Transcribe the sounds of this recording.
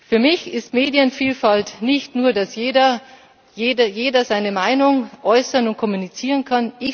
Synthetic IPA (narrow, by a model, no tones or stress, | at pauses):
fyːɐmɪçɪstmeːdjənfiːlfaltnɪçtnuːɐdasjeːɐ | jeːdɐjeːdɐzaɪnəmaɪnʊŋʔɔʏsɐnʊnt̚kʰɔmunit͡siːʁ̞ənkʰanɪç